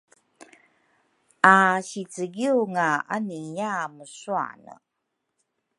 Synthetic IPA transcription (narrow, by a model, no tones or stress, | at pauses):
aɕit͡səɡiuŋaa̰nijaməsua̰nə̰